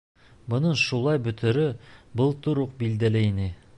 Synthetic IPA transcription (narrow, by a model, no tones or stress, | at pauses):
bŏnɤɴʃulˠɑjbɵ̆t̪ʰɘ̆ɾɵbɤlˠt̪uɾuq̚bild̪ælɘinɘ